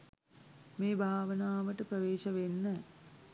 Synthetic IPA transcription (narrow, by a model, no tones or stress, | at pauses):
meːbʱaːʋənaːʋəʈəpɾəʋeːʃɐʋenːə